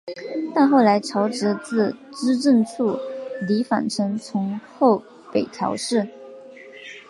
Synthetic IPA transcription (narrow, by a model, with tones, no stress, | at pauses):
t̪a˥˧nxo˥˩ʊla˧˥ɪʈ͡ʂʰɑ˧˥ʊʈ͡ʂɻ̩˧˥t͡sɹ̩˥˩ʈ͡ʂɻ̩˥ʈ͡ʂə˥˧nt͡sʰu˥˩li˧˥fa̰˨˩nʈ͡ʂʰɤ˧˥ŋt͡sʰʊ˧˥ŋxo˥˩ʊ | pe˨˩ɪt̪ʰjɑ̰˧˥ʊʂɻ̩˥˩